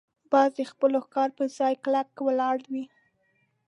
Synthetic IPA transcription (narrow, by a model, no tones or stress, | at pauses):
b̥ɑzd̪expəlokɑɾpəzɑjklakːwəlɑɽwi